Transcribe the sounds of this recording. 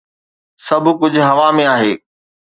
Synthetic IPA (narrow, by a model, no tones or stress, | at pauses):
sɐbʱʊkʊd͡ʑʱʊɦɐʋamẽaːɦeː